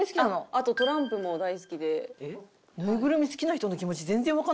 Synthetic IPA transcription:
sɨ̥kʲianoat̪o̞t̪o̞ɾãmpɯ̟mo̞d̪aisɨ̥kʲid̪e̞e | nɯ̟ːɡɯ̟ɾɯ̟mʲisɨ̥kʲinaçi̥t̪ono̞kʲimo̞t͡ɕizẽnd͡zẽβaka

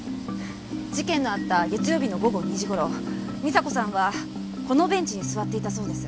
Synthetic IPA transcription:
d͡ʑikẽ̞nːo̞at̪ːaɡe̞t͡sɨjo̞ːbʲino̞ɡo̞ɡo̞ɲ̟iʑiɡo̞ɾo̞ | mʲisako̞sãɰ̃βa | ko̞no̞bẽ̞ɲ̟t͡ɕiɲ̟isɨβat̪ːe̞it̪aso̞ːd̪e̞sɨ̥

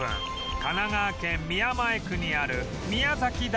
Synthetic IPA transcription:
ɯ̰̃ŋ | kanaɡaːkẽ̞mmʲiamaekɯ̟ɲ̟iaɾɯ̟ | mʲiazakʲid̪

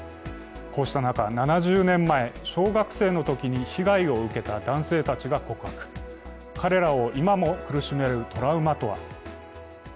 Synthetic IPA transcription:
kʰo̞ːɕi̥t̪anakananaʑɨːnẽ̞mːae̞ɕo̞ːɡakɯ̟̥se̞ːno̞t̪o̞kʲiɲ̟içiɡaio̞ɯ̟ke̞t̪ad̪ãɰ̃se̞ːt̪at͡ɕiɡako̞kɯ̟ɦakɯ̟̥ | kʰaɾe̞ɾao̞ʔimamo̞kɯ̟ɾɯ̟ɕime̞ɾɯ̟t̪ʰo̞ɾaɯ̟mat̪o̞βa̰

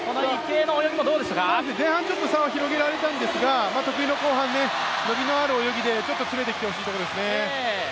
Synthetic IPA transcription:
sonoikːeːnoojoɡʲimod̪oːd̪eɕakaaɕ̬ezẽ̞ɰ̃ɦãɲ̟t͡ɕo̞t̪ːosãɰ̃açiɾo̞ɡe̞ɾaɾe̞t̪ãnd̪e̞sɨɡamaːt̪o̞kɯ̟ino̞ko̞ːɦãnːe̞ | no̞bʲino̞aɾɯ̟ojo̞ɡʲid̪e̞t͡ɕo̞t̪ːo̞t͡sɨme̞t̪ekʲi̥t̪e̞ho̞ɕ̬iːt̪ood̪esɨne̞

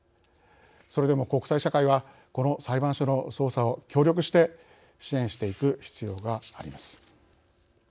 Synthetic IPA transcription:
so̞ɾe̞d̪e̞mo̞ko̞kɯ̟̥saiɕakaiβa | ko̞no̞saibãɰ̃ɕono̞so̞ːsao̞kʲo̞ːɾʲo̞k̬ɯ̟ɕi̥t̪e̞ | ɕiẽ̞ɰ̃ɕi̥t̪e̞ikɯ̟çi̥t͡sɨjo̞ːɡaːɾʲḭmasɨ̥

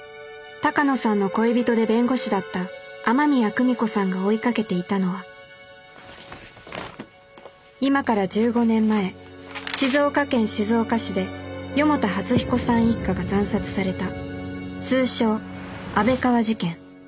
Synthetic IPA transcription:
t̪akano̞sãnːo̞ko̞ebʲit̪o̞d̪e̞bẽ̞ŋɡo̞ɕid̪at̪ːaːmamʲiakɯ̟mʲiko̞sãŋɡao̞ikake̞t̪e̞it̪ano̞βa | imakaɾad͡ʑɨːɡo̞nẽ̞mːae̞ɕizo̞ːkakẽ̞ɰ̃ɕizo̞ːkaɕid̪e̞jo̞mo̞t̪ahat͡sɨçi̥ko̞sãɰ̃ikːaɡazãɰ̃sat͡sɨ̥saɾe̞t̪a | t͡sɨːɕo̞ːabe̞kaβaʑikẽ̞ŋ

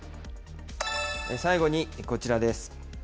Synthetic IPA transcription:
esaiɡo̞ɲ̟iko̞t͡ɕiɾad̪e̞sɨ̥

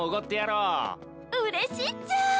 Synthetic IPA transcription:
oɡot̪ːejaɾoː | ɯɾeɕit͡sɨ

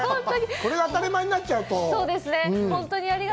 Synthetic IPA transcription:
õnt̪oɲ̟iko̞ɾe̞ɡaːt̪aɾemaɲ̟inatt͡ɕːaɯ̟t̪oso̞ːd̪e̞sɨnẽ̞hõ̞nt̪o̞ɲ̟iaɾʲiɡ

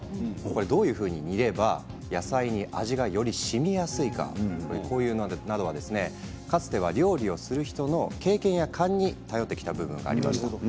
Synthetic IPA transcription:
ko̞ɾe̞d̪o̞ːjɯ̟ːɸɯ̟ːɲ̟iɲiɾe̞ba | jasaiɲ̟iʔaʑiɡajo̞ɾʲiɕimʲijasɨika̰koɾeko̞ːjɯ̟ːnonad̪o̞βad̪e̞sɨne̞ | kat͡sɨ̥t̪e̞βaɾʲo̞ːɾʲio̞sɨɾɯ̟çi̥t̪o̞no̞ke̞ːkẽ̞ɰ̃jakʰãɲ̟ːit̪ajo̞t̪ːe̞kʲi̥t̪abɯ̟bɯ̟̃ŋɡa̰ːɾima̰ɕi̥t̪a

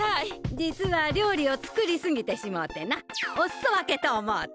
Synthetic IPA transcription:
haid͡ʑit͡sɨβaɾʲo̞ːɾʲio̞t͡sɨ̥kɯ̟ɾʲisɨŋɡʲit̪e̞ɕimot̪ːe̞naossoβake̞t̪oːmoː

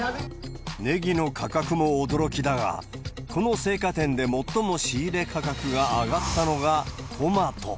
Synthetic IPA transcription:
ne̞ɡʲino̞kʰakakɯ̟mo̞ːd̪o̞ɾo̞kʲid̪aɡa̰ | kʰo̞no̞se̞ːkat̪ẽ̞nd̪e̞mo̞t̪ːo̞mo̞ɕiːɾe̞kakakɯ̟ɡaːɡat̪ːano̞ɡa | t̪ʰo̞mat̪o̞̰

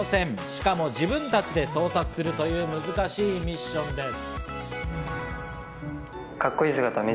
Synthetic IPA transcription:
sẽ̞ɴɕi̥kamo̞ʑibɯ̟̃nt̪at͡ɕid̪e̞so̞ːsakɯ̟̥sɨɾɯ̟t̪o̞jɯ̟ːmɯ̟zɨkaɕiːmʲiɕːõ̞nd̪e̞sɨ̥ | kakːo̞iːsɨɡat̪amʲi

